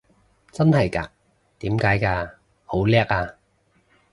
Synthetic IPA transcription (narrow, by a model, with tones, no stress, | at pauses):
t͡sɐ˥nhɐ˨˩jka̰ː˧ | t̪iː˨˥mkaː˨˥jkaː˧ | ho˨˥wlɛː˥k̚aː˧